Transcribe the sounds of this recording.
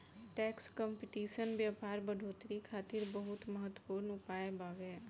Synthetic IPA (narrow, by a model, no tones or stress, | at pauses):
ʈɛːkskəmpɪʈiːʃənʋjaːpaːɾbəɖʱoːt̪ɾikʰaːt̪ɪɾbəɦʊt̪məɦət̪wə̥puːɾnʊpaːebaːʋeː